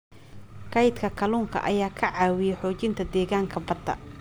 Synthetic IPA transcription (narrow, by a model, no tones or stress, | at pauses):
kɐjt̪kʰɐkʰɐluːŋkʰɐ̰ʔɐ̰jaːkʰɐʕaːwɪjɛħɔːt͡ʃɪnt̪ʰɐd̪ɛːɣaːŋkʰɐbɐd̪ɐ̰